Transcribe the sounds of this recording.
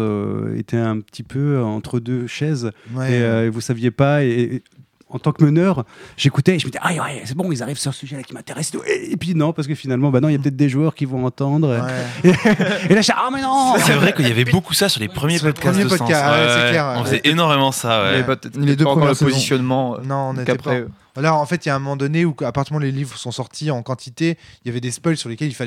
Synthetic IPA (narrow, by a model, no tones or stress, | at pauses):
ø̰ḛt̪ʰɛɛ̃pət̪ʰipøɑ̃t̪χəd̪øʃɛzeøevusavjepaeː | ɑ̃t̪ɑ̃kmənœʁʒ̥ekut̪ɛeʒəməd̪iʔawɛebɔ̃ilzaʁivsyʁsyʒɛlakʲimɛ̃t̪eʁɛse̥t̪uʔeepɥinɔ̃paʁsəkəfinalmɑ̃banɔ̃iljapət̪ɛt̪χd̪eʒuœʁkʲivɔ̃ɑ̃t̪ɑ̃d̪ʁeeelaʒɛʔamɛ̃nɔ̃ɛvʁɛkəljavɛbokusasyʁlepχəmjesed̪kasmmjepɔd̪kaawɛsɛlɛʁɔ̃fzɛʔenɔʁmemɑ̃sawɛ̰t̪ɛtled̪ø̃kɔʁdəpozisjɔnmɑ̃nɔ̃ːnet̪ɛpχa | alɔʁɑ̃fɛt̪jaɛ̃mɔmɑ̃d̪ɔneuapaʁt̪əmɑ̃lelivʁəsɔ̃sɔʁt̪ʰiɑ̃kɑ̃t̪ʰit̪eijavɛd̪espɔjlsyʁlekʲɛlilfalɛ